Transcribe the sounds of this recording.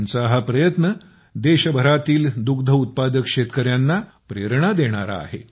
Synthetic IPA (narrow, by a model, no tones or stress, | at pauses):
nt͡saɦapɾəjət̪nə | d̪eɕəbʱəɾat̪iːld̪uɡd̪ʱəut̪̚pad̪əkʂet̪kəɾjanːa | pɾeɾɳ̃ad̪eɽ̃aɾa̰ːɦḛ